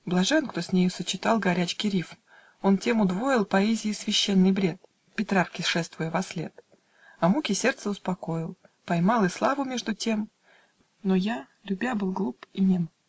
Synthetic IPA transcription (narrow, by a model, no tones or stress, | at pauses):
blˠɐʐɛnkt̪o̞sʲnʲejʊsət͡ɕɪt̪ɑlˠɡɐɾʲæt͡ɕkʲɪɾʲifm | ontʲe̞mʊd̪vo̞jɪlˠpɐɛzʲɪɪsvʲɪɕːenːɨjbɾʲe̞t̪̚ | pʲɪt̪ɾarkʲɪʂɛst̪vʊjəvɐslʲe̞t̪ | ɐmukʲɪsʲe̞rt̪səʊspɐko̞ɪlˠ | pɐjmɑlˠɨslˠɑvʊmʲe̞ʐd̪ʊtʲe̞m | noja | lʲʊbʲabɨlˠɡlˠupinʲem